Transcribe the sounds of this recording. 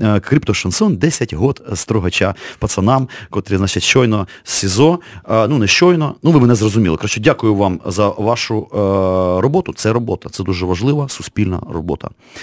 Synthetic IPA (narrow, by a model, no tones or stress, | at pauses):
kɾʲipt̪ɔʃɐnsɔnd̪ɛsʲɐtʲɦɔt̪st̪ɾɔɦɐt͡ʃapɐt̪sɐnɑmkɔt̪ɾʲɪzat͡ʃɪtʲʃɔjnɔ | sʲsʲɪzɔnunɛʃt͡ʃɔjnɔnuʋɪmɛnɛzrɔzʊmʲḭlˠɪkɾɐʃt͡ʃɔdʲakʊjʊʋɑmzɐʋɑʃʊ | ɾɔbɔt̪ʊt̪sɛɾɔbɔt̪ɐt̪sɛd̪uʒɛʋɐʒlˠɪʋɐsʊspʲilʲnɐ̰rɔ̰bɔ̰t̪ɐ̰